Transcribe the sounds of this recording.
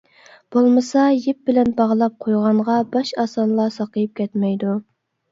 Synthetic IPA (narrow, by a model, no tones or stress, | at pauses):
b̥olˠmɨsɑjep̚b̥ɪlɛnbɑʁlˠɑp̚qʰojʁɑɴʁɑbɑʃɑsɑnlˠɑsɑqəjip̚kʲʰɛt̪mɛjd̪u